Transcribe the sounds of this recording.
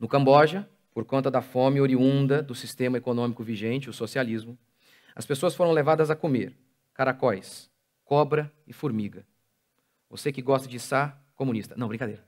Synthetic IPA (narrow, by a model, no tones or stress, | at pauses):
nʊkɐ̃mbɔʒɐ | poɾkõnt̪ɐd̪ɐfõmɪoɾiũnd̪ɐd̪ʊsist̪ẽmɐekonõmikʊviʒẽnt͡ʃɪʊsosializmʊ | ɐ̰spesoɐsfoɾɐ̃w̃levad̪ɐzɐkomḛɾ | kaɾakɔjs | kɔbɾɐɪfuɾmiɡɐ | vo̰sekɪɡɔst̪ɐd͡ʒɪstaɾ | komũnist̪ɐnɐ̃w̃bɾĩkad̪ejɾɐ